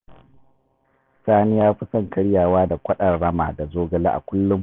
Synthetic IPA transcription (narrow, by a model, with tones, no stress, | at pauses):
saː˦nɪ˦jaː˦ɸi˦sɐ˦˨ŋkɐ˦ɽjaː˨waː˦da˨kʷɐ˦ɗɐ˨rːɐ˦ma̰ː˨da˨zoː˦ɡɐ˨la̰˦ʔa̰˨kʷʊ˦lːʊ˦m